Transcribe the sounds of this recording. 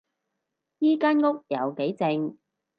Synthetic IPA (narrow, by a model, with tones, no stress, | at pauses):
jiː˥kaː˥nŋʊ˥k̚jɐ˨wke˨˥jt͡sɪ˧ŋ